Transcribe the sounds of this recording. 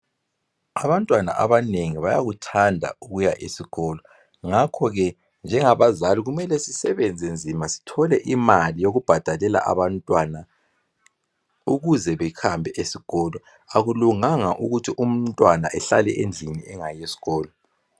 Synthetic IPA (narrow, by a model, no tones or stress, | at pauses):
aβantʼwana̰ʔaβaneŋiβajaɣutʰandʱa̰uɣujaʔesiɣɔːlɔ | ŋakʰɔɣɛ | nd͡ʒʱɛŋaβazaliɣumɛlɛsisɛβɛnd͡zʱend͡zʱimasi̥tʰɔlɛʔimalijoɣub̥ʱad̥ʱalɛla̰ʔa̰βantʼwana | uɣuzɛβɛxʰambʱɛʔesiɣ̥ɔːlɔ | aɣuluŋaŋaʔuɣutʰiʔum̩tʼwana̰ʔɛɬalɛʔend͡ɮʱiniɛŋajesi̥ɣɔːlɔ